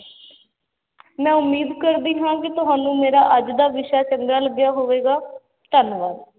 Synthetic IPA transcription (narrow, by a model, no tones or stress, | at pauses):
mɛ̃ːʊmːiːd̪kəɾd̪iːɦãːkɪt̪ʊɦaːnũːmeːɾaːʔəd͡ʒd̪aːʋɪʃaːt͡ʃəŋɡaːləɡjaːɦoːʋeːɡaː | t̪ənʋaːɾ